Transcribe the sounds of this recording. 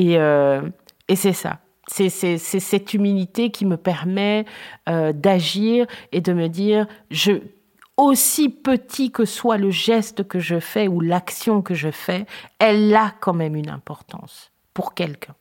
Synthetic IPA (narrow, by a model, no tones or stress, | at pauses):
eø | esɛsa̰ | sɛsɛsɛsɛt̪ymilit̪ekʲʰiməpɛʁmɛød̪aʒiʁed̪əməd̪iːʁʒə | osipət̪ʰikəswaləʒɛst̪əkəʒəfɛulaksjɔ̃kəʒəfɛɛlakɑ̃mɛmynɛ̰̃pɔʁt̪ɑ̰̃s | puʁkʲɛlkʲʰɛ̃